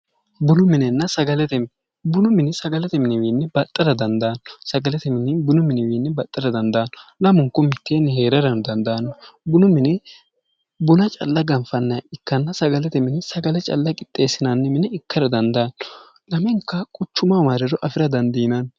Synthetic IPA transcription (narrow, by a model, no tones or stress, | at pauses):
bʊnʊmɪnɛnːɐsɐɡɐlɛt̪ɛm | bʊnʊmɪnɪsɐɡɐlɛt̪ɛmɪnɪwiːnːɛbɐt̪ʼːɐɾɐd̪ɐnd̪aːnːɔ̥sɐɡɐlɛt̪ɛmɪnɪbʊnʊmːɪnɪwiːnːɛbɐt̪ʼːɐɾɐd̪ɐnd̪aːnːɔlɐmʊŋkːɔmɪt̪ːeːnːɛɦe̞ːɾɐɾɐnd̪ɐnd̪ɐːnːɔbʊnʊmɪnɪ | bʊnɐt͡ʃʼɐ̰lːɐɡɐmfɐnːɐjɐɪkːɐnːɐsɐɡɐlɛt̪ɛmɪnɪsɐɡɐlɛt͡ʃʼɐ̰lːɐkʼɪt̪ʼːe̞ːsɪnanːɛmɪnɛɪkːɐɾɐd̪ɐnd̪ɐːnːɔ̥ | lɐmɛŋkːɐkʼʊt͡ʃːʊmɐwaːɾɛɾɔʔɐfɪɾɐd̪ɐnd̪iːnɐn